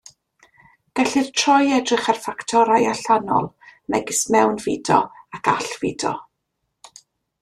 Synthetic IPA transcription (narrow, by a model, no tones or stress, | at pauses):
ɡ̥ɛɬɨr̥tʰrɔjɛdrɪχarfaktʰɔɾajaɬanɔ̰lˠ | nɛɡɪsmɛwnvɪdɔ̰akʰaɬv̥ɪdɔ̰